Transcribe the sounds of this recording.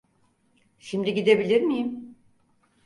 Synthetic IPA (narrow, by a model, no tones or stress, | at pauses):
ʃimd̪iɟid̪e̞bilʲiɾmijim